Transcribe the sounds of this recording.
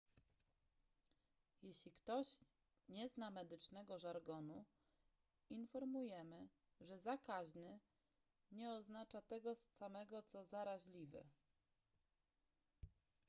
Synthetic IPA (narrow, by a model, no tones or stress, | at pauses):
jeɕlʲikt̪ɔɕ | ɲɛznamɛd̪ɘt͡ʂnɛɡɔʐaɾɡɔnu | infɔɾmujɛmɘ | ʐɛzakaʑnɘ | ɲɛɔznat͡ʂat̪ɛɡɔsamɛɡɔt̪sɔzaɾaʑlʲivɘ̰